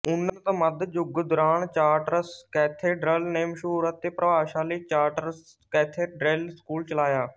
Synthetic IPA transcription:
ʊnːət̪ə̃ːməd̪d͡ʒʊɡd̪ʊɾaːnt͡ʃaːɾʈəɾəskɛːt̪ʰeːɖɾəlneːmʃuːɾət̪ːeːpɾəʋaːʃãːləiːt͡ʃaːʈəɾs | kɛːt̪ʰeːɖɾelskuːlt͡ʃəlaːjaː

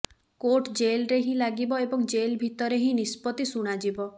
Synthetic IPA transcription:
koʈd͡ʒelɾeɦĩlaɡibɔebɔŋd͡ʒelbʱit̪ɔɾeɦĩnispɔt̪isuɽ̃ad͡ʒibɔ

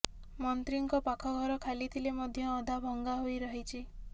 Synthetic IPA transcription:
mɔnt̪ɾiŋkɔpakʰɔɡʱɔɾɔkʰalit̪ʰilemɔd̪ʱjɔːd̪ʱabʱɔŋɡaɦojɾɔɦit͡ʃʰi

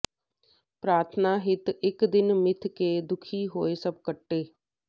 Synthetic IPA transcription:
pɾaːɾt̪ʰnaːɦɪt̪ɪkd̪ɪnmɪt̪ʰkeːd̪ʊkʰiːɦoːeːsəb̚kəʈːeː

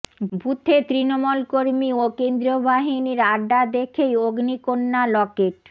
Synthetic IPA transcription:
bʱut̪ʰːet̪ɾinomulkoɾmiokend̪ɾiobaɦiniɾaɖad̪ekʰejoɡnikonːalɔkeʈ

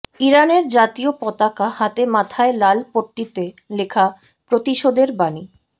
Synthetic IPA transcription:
iɾaneɾd͡ʑat̪iopɔt̪akahat̪emat̪ʰaelalpoʈːit̪e | lekʰa | pɾot̪iʃod̪eɾbani

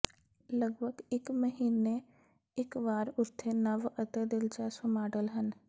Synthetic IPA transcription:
ləɡbʱəɡɪkməɦiːne | ɪkʋaːɾʊɾt̪ʰenɐʋət̪ed̪ɪlt͡ʃasəmaːɖəlɦən

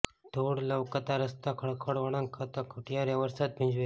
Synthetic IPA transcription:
t̪ʰoɽləʋkət̪aɾəst̪akʰəɽkʰəɽʋəɽankʰat̪akʰuʈʰjaɾjaʋəɾsat̪̚piɲd͡ʒʋe

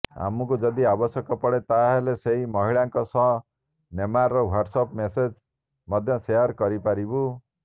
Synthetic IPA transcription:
a̰mukud͡ʒʌd̪iabɔsjɔkɔpɔɽet̪aɦeleseɦimɔɦiɭaŋkɔsɔɦ | nemaɾːɔwaɖsɔpmesed͡ʒ | mʌd̪ʱjʌsejɔɾkɔɾipaɾibu

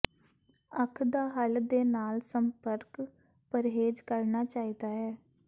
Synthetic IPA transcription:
əkʰd̪aːɦəld̪eːnaːlsəmpəɾk | pəɾɦeːd͡ʒkəɾnaːt͡ʃaːiːd̪aːɦɛː

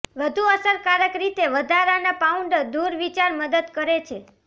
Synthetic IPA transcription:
ʋəd̪ʱuəsəɾkaɾəkɾit̪eʋəd̪ʱaɾanapauɳɖəd̪uɾʋit͡ʃaɾməd̪əd̪kəɾet͡ʃʰe

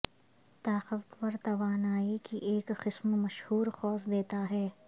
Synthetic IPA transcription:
t̪aːxəft̪pɐɾt̪ɐʋaːnaːikiʔeːkxɪsmmɐʃhuːɾxɔːsd̪eːt̪aɦɛː

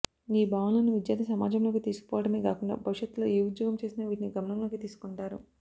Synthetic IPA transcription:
niːbʱaːʋɐnlɐnuʋid͡ʒjaːɾd̪isɐmaːd͡ʒɐmlo̞ːkit̪iːsku̥pɔːʋɐɽɐmeːkaːkuɳɖa̰ːbʱɐʋiʂɐt̪lo̞ːiud̪joːɡɐmt͡ʃe̞ːsinɐʋiːʈniɡɐmɐnɐmlo̞ːkit̪iːsu̥kuɳʈaːɾṵ

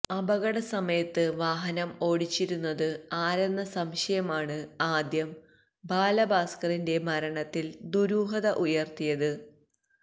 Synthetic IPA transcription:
ɐbɐɣɐɽɐsɐmɐjɐt̪ːɨʋaːɦɐnɐmo̞ːɽit͡ɕːiɾunːɐðɨaːɾɐnːɐsɐmɕɐjɐmaːɳɨaːd̪jɐm | baːlɐbaːskɐrinde̞mɐɾɐɳɐt̪ːild̪uɾuːɦɐðɐʔujɐrt̪ijɐðɨ

